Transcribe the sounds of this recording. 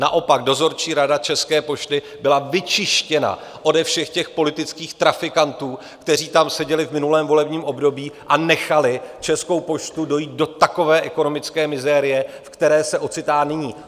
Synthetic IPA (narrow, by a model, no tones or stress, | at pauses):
na̰ʔo̞paɡ̚do̞zo̞ɾt͡ʃiːɾadat͡ʃɛskɛːpo̞ʃt̪ɪ | bɪlavɪt͡ʃɪʃcɛna̰ | ʔo̞dɛfʃɛxcɛxpo̞lɪt̪ɪt͡skiːxt̪ɾafɪkant̪uː | kt̪ɛr̝iːt̪amsɛɟɛlɪvmɪnulɛːmvo̞lɛbɲiːmʔo̞bdo̞biːʔanɛxalɪt͡ʃɛsko̞wpo̞ʃt̪udo̞jiːt̪̚do̞t̪ako̞vɛːʔɛko̞no̞mɪt͡skɛːmɪzɛɾɪjɛfkt̪ɛɾɛːsɛʔo̞t͡sɪt̪aːnɪɲiː